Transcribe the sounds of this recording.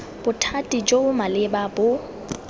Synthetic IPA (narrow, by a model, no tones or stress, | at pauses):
b̥ʊtʰatʼid͡ʒʼoʊmalɪbabʊ